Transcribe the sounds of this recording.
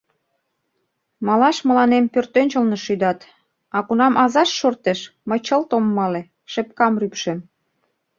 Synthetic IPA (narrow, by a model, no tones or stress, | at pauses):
mɑlɑʃmə̆lɑnempørt̪ønʲt͡ɕəlneʃyd̪ɑt̪ | ɑkunɑmʔɑzɑʃːort̪eʃməjt͡ɕəlt̪omːɑle | ʃep̚kɑmrypʃem